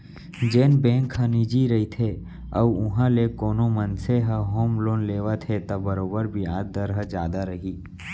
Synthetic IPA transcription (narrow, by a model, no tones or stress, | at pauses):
d͡ʒeːnbẽːŋkɦənid͡ʒiɾəɦit̪ʰe | ɐʋʊɦãlekoːnomənseɦəɦoːmloːnleːʋat̪ʰet̪ɐbəɾoːbəɾbʱiaːd̪̚d̪əɾɦəd͡ʒjaːd̪aɾəɦiː